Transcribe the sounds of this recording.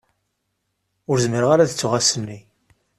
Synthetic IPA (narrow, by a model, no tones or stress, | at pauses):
ʊɾzməɾəʁaɾaðət͡sːʊʁasənːi